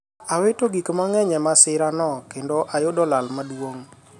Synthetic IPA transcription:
awetoɡikmaŋɛɲɛmasɪɾanɔkendoʔajʊdɔlalmadwoŋ

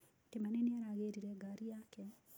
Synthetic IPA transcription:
tɪmanɪnjɛɾaɡeɾiɾɛɡaɾiakɛ

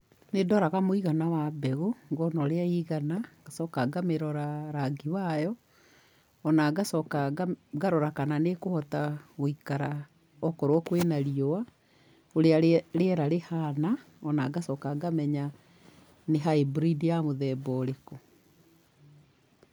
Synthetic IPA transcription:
nedɔɾaɣamoiɣanawabɛɣoŋɡɔnɔɾeaiɣanaɡasɔkaɡameɾɔɾaɾaɡiwajɔ | ɔnaɡasɔkaɡɡaɾɔɾakananekohɔtaɣoikaɾa | ɔkɔɾwɔkwenaɾiɔwa | oɾeaɾeɛɾaɾehana | ɔnaɡasɔkaɡamɛɲa | neɦaebɾidijamoðɛbɔɾekɔ

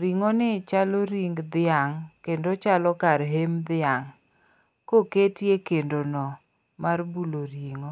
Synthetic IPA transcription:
ɾiŋɔnɪt͡ʃaloɾiŋɡd̪ɪaŋkendot͡ʃalɔkaɾɦemd̪ɪaŋ | koketjekendonɔ | marbuloɾiŋo

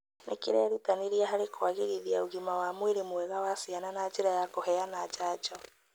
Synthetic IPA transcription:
nʔḛkeɾɛɾutaneɾiaɦaɾekwaɣeɣiðiaoɣimawamweɾemwɛɣawasiananat͡ʃeɾajakoɦɛanat͡ʃaːt͡ʃɔ

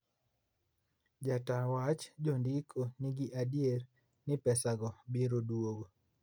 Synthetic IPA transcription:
d͡ʒatawat͡ʃd͡ʒondikʰoniɡiʔadier | nɪpɛsaɡɔbiɾodwoɡo

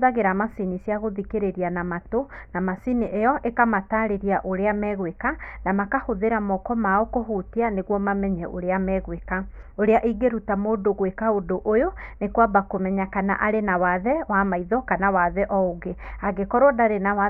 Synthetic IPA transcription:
ðaɣeɾamasinisiaɣoðikeɾeɾianamatonamasiniʔejɔʔekamataːɾeɾiaʔoɾeamɛɣwekanamakahoðeɾamɔkɔmaɔkoɦutianeɣwɔmamɛɲɛʔo̰ɾeamɛɣwekaoɾeaʔiɡeɾutamoːdoɣwekaodoʔojonekwabakomɛɲakana̰ʔaɾenawaðɛwamaiðɔkanawaðɛʔɔoɣeaɡekɔɾwɔdaɾenaw

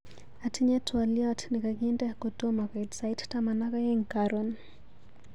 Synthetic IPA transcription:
atʰiɲɛtwaliatnikakendɛakotomakaitsaittamanakajɛŋkaɾɔn

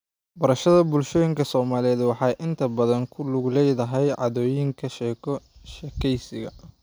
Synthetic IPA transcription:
bɐɾɐʃɐðɐbʊlʃɔːjɪŋkʰɐsɔːmaːlɛːd̪wɑħɑːjʔɪnt̪ʰɐbɐðɐŋkʰʊlʊɡlɛjðɐɦɛjʕɑ̰ðɔːjɪŋkʰɐʃɛːkʰɔʃɛkʰɛjsɪɣɐ̰

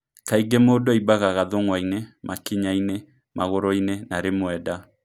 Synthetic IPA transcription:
kaiɡemoːdɔibaɣaɣaðoŋwainemakiɲaine | maɣoɾɔinenaɾemwɛda

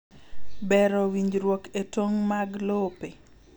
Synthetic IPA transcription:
bɛɾɔwiɲd͡ʒɾwoketoŋmaɡlope

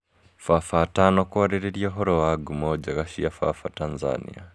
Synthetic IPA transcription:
fafatanɔkuwaɾɛɾɛɾiɔɦɔɾɔwaɡumɔd͡ʒaɣaʃiafa̰fatanza̰nḭa

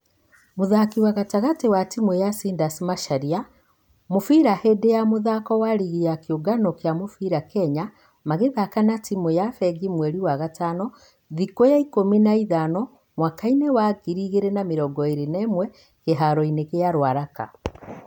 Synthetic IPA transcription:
moðakiwaɣataɣatewatimwɛjasiːndasimaʃaɾia | mofiɾahɛdejamoðakɔwaɾiɣijakeoɡanɔkjamofiɾakɛɲa | maɣeðakanatimwɛjafɛɡimwɛɾiwaɣataːnɔ | ðikojaikominaiðanɔ | mwakainewaɡiɾiɣeɾenameɾɔɡɔeɾenɛːmwɛ | keɦaɾɔineɣeaɾwaɾaka̰

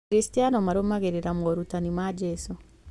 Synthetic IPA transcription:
ɾistianɔmaɾomaɣeɾeɾamɔɾutanimad͡ʒɛsu

